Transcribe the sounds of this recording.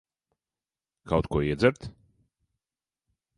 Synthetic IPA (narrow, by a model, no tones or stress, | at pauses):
kawt̪kuɔiɛd̪zɛɾt̪